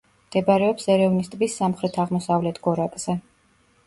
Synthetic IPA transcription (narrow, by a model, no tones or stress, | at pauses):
md̪̥ɛbaɾɛɔpsɛɾɛvnist̪ʼbisːamχɾɛt̪ʰaʁmɔsavlɛt̪ʰɡ̥ɔɾakʼz̥ɛ